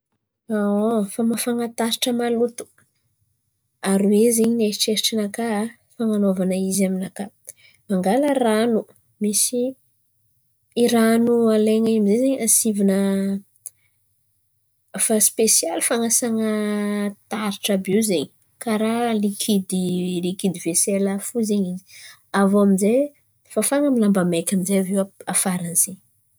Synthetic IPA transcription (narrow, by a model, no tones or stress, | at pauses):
aofamafaŋat̪aɾiʈ͡ʂəmalut̪u̥ | aɾuwezeɲineiʈ͡ʂeɾʈ͡ʂinaka | faŋanovanəizaminaka | maŋɡaləranu | misi | ɾanualeɲaamizezeɲasivinə | faspesialifaŋasaŋət̪aɾiʈ͡ʂabewzeɲ | kaɾalikʰid̪ilikid̪ivesɛlafuzeɲizi̥ | avoamize | fafaŋəmilambamekʲaminzeavewaafaɾanz̥eɲ